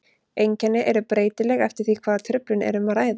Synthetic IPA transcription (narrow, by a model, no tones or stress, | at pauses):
ejɲcɛnːɪʔɛɾʏpɾeːjt̪ɪlɛɣɛft̪ɪɾ̥θikʰv̥aːðat̪ʰɾʏplʏnɛ̰ɾʏmaɾaːjða